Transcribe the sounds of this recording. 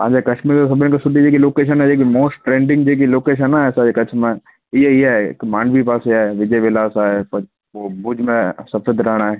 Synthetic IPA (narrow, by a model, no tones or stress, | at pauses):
ã̰ːd͡ʒakɐʃmiːɾt̪os̬ɐbʱnẽkosʊʈid͡ʒekiloːkeːʃ̬ənɦɛd͡ʒekimoːsʈʈɾẽːɳɖɪ̃ŋɡd͡ʒekiloːkeːʃ̬ɛnaɛːsaekɐt͡ʃʰmẽ | iɛiɦɛkmãːɳɖbʱipaːseaʋɪd͡ʒəjʋɪlaːsaɛp | obud͡ʒmẽsɐfʰəd̪ʱɾɛɦɽ̃aɦɛː